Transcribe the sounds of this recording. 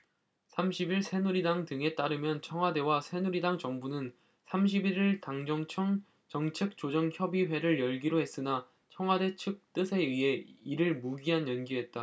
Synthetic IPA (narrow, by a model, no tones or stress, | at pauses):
sʰamɕʰibiɭsʰe̞nuɾidaŋdɯŋe̞t͈aɾɯmjʌnt͡ɕʰʌŋɦwade̞wasʰe̞nuɾidaŋt͡ɕʌŋbunɯn | sʰamɕ̬ʰibiɾiɭtaŋd͡ʑʌŋt͡ɕʰʌŋ | t͡ɕʌŋt͡ɕʰek̚t͡ɕ͈od͡ʑʌŋçjʌbiɸwe̞ɾɯɭjʌɭɡiɾoɦe̞s͈ɯna | t͡ɕʰʌŋwade̞t͡ɕʰɯk̚t͈ɯsʰe̞ɯe̞iɾɯɭmuɡiɦanjʌnɡiɦe̞t̚t͈a